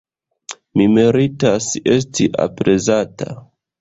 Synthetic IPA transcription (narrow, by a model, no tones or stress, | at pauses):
mimeɾitase̞s̬tiʔa̰pɾe̞zata̰